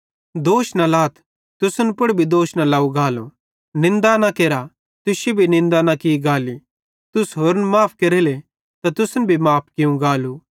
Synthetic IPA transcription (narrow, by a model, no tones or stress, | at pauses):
d̪oːʃnalaːt̪ʰ | t̪ʊsənpʊɽbʱid̪oːʃnalaːuɡaːlo | nɪ̃nd̪anakeːɾa | t̪ʊsebʱinɪ̃nd̪anakiɡaːli | t̪ʊsɦoːɾənmaːp̚ʰkeɾeːle | t̪at̪ʊsənbʱimaːp̚ʰkɪũɡaːlu